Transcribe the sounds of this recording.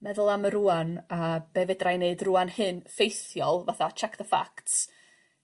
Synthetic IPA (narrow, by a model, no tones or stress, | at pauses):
mɛðʊlˠaməɾuanab̥evɛdrajneɨdruanhɨnfejθjɔlˠvaθat͡ʃʰɛkðəfa̰kts